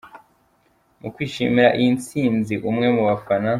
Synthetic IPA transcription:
mukwiːʃḭmiɾaʔint͡siːnziʔumŋe̞muβafana

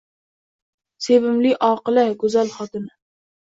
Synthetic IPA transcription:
sevɪmliʔɑːqɨlæɡøzælχɑt̪ɨnɪ

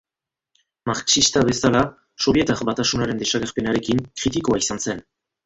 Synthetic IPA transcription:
maɾksist̪aβe̞sala | so̞βje̞t̪akbat̪asunaɾe̞nd̪e̞saɣeɾpe̞naɾe̞kiŋkɾit̪ikoaisanse̞n

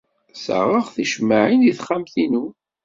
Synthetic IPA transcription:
sə̰ʁəʁθiʃmaʕiniθχamθinu

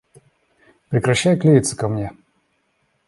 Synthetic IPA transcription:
pɾʲɪkɾɐɕːajʊklʲivʲit̪sɨ̥kɐmnʲe

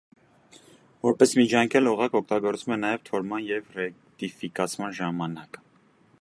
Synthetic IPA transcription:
vɔɾpɛsmid͡ʒʰɑŋkʰɛluʁɑkɔk̚ʰt̪ɑɡɔɾt͡svumɛnɑjɛvt̪ʰɔɾmɑnjɛvrɛkt̪ifikɑt͡sʰmɑnʒɑmɑnɑkə

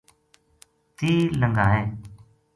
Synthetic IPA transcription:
t̪iːləŋɡaːẽː

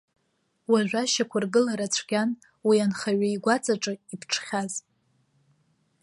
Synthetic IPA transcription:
waʒᶣʷaʃakʷʰarɡɨlaɾat͡ɕʷʰɡʲan | wianχaɥaiɡʷat͡sʼaʈ͡ʂʼɨipʰʈ͡ʂʰχʲaz

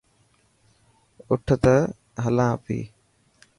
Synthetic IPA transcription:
ʊʈʰt̪ə | ɦəlãːəpḭː

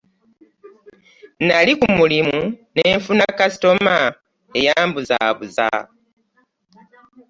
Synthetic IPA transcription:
nalikumulimuneːɱfunakasi̥to̞ma | ejaːmbuza̰ːβuza̰

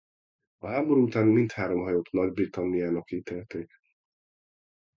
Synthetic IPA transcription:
ɒɦaːbo̞ɾuːut̪aːnmint̪haːɾo̞mɦɒjoːt̪nɒɟbrit̪ɒmːijaːnɒkːiːt̪eːlt̪eːk

